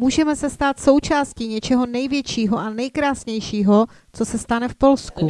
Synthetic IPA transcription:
muːʒɛmɛsɛst̪aːt̪so̞wt͡ʃaːsciɲɛt͡ʃɛɦo̞nɛjvjɛt͡ʃiːɦoʔanɛjkɾaːsɲɛjʃiːɦo | t͡sosɛst̪anɛfpo̞lsku

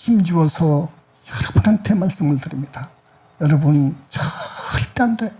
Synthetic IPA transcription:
çimd͡ʑuʌsʰʌ | ʌɾʌk̚pʰʌnantʰemaɭs͈ɯmɯɭtɯɾimɲida | jʌɾʌbɯnt͡ɕʌɭt͈eande

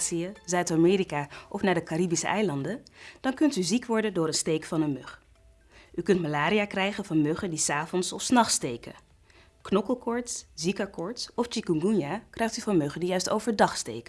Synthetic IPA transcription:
siəzœɥtamɪːɾikaːʔɔfnaːɹdəkaribisə̰ʔɛjlɑndənd̥ɑnkɵntyzikʋɔɹdəndʊːɾənstejkfɑnənmøχ | ʔykɵntmalaːɾijaːkrɛjχənvɑnmøχəndisaːvɔnsɔfsnɑχstejkə̰ | knɔkəlˠkɔɹtszikəɹkɔɹtsɔft͡ʃikuŋɡunjakrɛjχtyvɑnmøχəndijœɥsto̰wvəɹdɑχstḛjkə

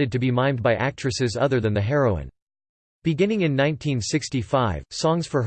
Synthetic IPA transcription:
ɨd̚tɨbimãɪ̃n̚baɪʔæk̚t͡ʃɹ̥ɨsɨzʌ̰ðə˞ðɨ̃nðɨɦɛɹoʊɪ̰̃n | b̥ɨɡɪ̃nɪ̃ŋɨ̃nːãɪ̃ntʰĩnsɪkstifaɪv̥sɔ̃ŋz̥fə˞

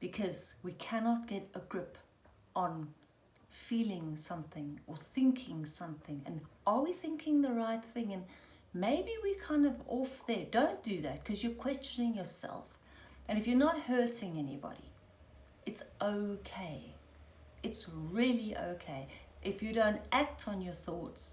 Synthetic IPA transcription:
b̥ɨkʰʌzwikʰænɑt̚ɡ̥ɛɾəɡɹɪp | n̩ | filˠɪ̃ŋsʌ̃mθɪ̃ŋə˞θɪ̃ŋkʰɪ̃ŋsʌ̃mθɪ̃ŋɨ̃nʔə˞wiθɪ̃ŋkʰɪ̃ŋðəɹaɪt̪̚θɪ̃ŋɨ̃n | meɪbiwikʰãɪ̃ndʌvɔfðə˞d̥õʊ̃nd̥ɨðæt̚kʰʌzjə˞kʰw̥ɛst͡ʃɨnɪ̃ŋjə˞sɛ̰lˠf | ɨ̃nɨfjə˞nət̚hɜ˞ɾɪ̃ŋɛnḭbɑ̰ɾḭ | ɨtsʔoʊkʰeɪ | ɨtsɹɪlˠiʔo̰ʊkʰeɪʔɨfjɨɾõʊ̃ntʔæk̚tʰn̩jə˞θɔts

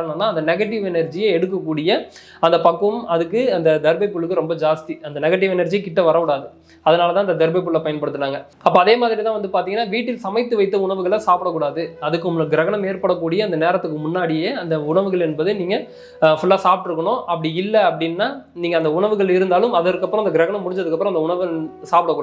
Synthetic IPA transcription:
ɾnːɐnːaːɐnd̪ɐnɛɣɐʈːɪʋɛnɐɾd͡ʒijɐɛɽɯk̬ːɐkːuːɽɪjɐ | ɐnd̪ɐpɐkːɯmɐðɯkːɯɐnd̪ɐd̪ɛɾbɐɪpːʊɭːɯkːɯɾɔmbɐd͡ʒaːst̪iɐnd̪ɐnɛɣɐʈ̬ːɪʋɛnɐɾd͡ʒijkːɪʈːɐʋɐɾɐkuːɽaːðɯ | ɐðɐnaːlɐt̪̬ãːɐnd̪ɐd̪ɛɾbɐɪpːʊɭːɐpɐjɐnpɐɽɯt̪ːɯʈːaːŋɡɐ | ɐpːoːɐðeːmaːðɪɾɪt̪ãːʋɐnd̪ɯpaːɾt̪iːŋɡɐnːaːʋiːʈːɪlsɐmɐɪt̪ːɯʋɐɪt̪ːɐʊɳɐʋɯɣɐɭɐsaːpɪɽɐkːuːɽaːðɯɐðɯkːʊmːɯɭɯɡɪɾɐɣɐɳɐmeːɾpɐɽɐkːuːɽɪjɐɐnd̪ɐneːɾɐt̪ːɯkːɯmʊnːaːɽɪjeɐnd̪ɐʊɳɐʋɯɣɐɭɛnbɐðɯniːŋɡɐ | fʊlːaːsaːp̚ʈɯɾɯkːɐɳõːʔɐpːɐɽiɪlːɐɐpːɐɽɪnːaːniːŋɡɐːnd̪ɐʊɳɐʋɯɣɐɭɪɾɯnd̪aːlɯmɐðɐɾkːɐpːɯɾõɐndɐɡɪɾɐɣɐɳɐmːʊɽɪɲd͡ʒɐðɯkːɐpːɯɾ̃ɐnd̪ɐʊɳɐʋɯsaːpɽɐkːuː

